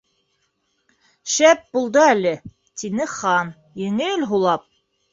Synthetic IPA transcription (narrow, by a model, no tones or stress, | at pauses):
ʃæp̚bulˠd̪ɤælɘ | t̪inɘχɑn | jɘ̆ŋɘlɦulˠɑp̚